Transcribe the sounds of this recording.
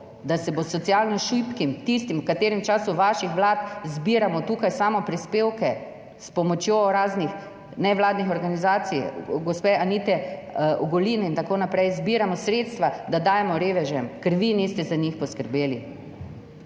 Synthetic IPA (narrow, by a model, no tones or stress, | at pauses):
d̪asɛbosɔt̪sijalnɔʃujpkimt̪ist̪imwkat̪eːɾimt͡ʃaːsuʋaːʃixʋlaːt̪zbiːɾamɔt̪uːkajsaːmɔpɾispeːwkɛ | spɔmɔt͡ʃjoɾaːznix | nɛʋlaːd̪nixɔɾɡanizaːt̪sijɡɔspeanit̪ɛʔɔɡɔlinɛint̪akoːnapɾɛjzbiɾamɔsɾet̪st̪ʋad̪ad̪aːjɛmɔɾeːʋɛʒɛmkɛɾʋinɛst̪ɛzaɲixpɔskəɾbeːli